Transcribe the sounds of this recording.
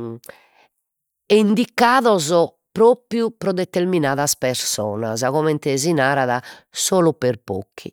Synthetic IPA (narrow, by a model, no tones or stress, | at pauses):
eind̪ikːaːðɔzɔ | pɾoːpɾjupɾɔðɛt̪ːeɾminaːðaspɛɾsɔːna̰zaɣɔmɛnt̪ɛzinaːɾaðasoːlɔpeɾpo̰kʰːi